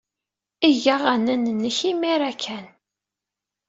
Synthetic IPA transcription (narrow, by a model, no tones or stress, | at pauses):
iʝaʁænænənːəçimiɾækʰːæn